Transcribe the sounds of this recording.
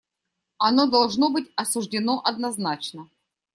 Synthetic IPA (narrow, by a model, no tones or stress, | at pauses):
ɐno̞d̪ɐlˠʐnobɨtʲɐsʊʐdʲɪno̞ʔɐd̪nɐznat͡ɕnə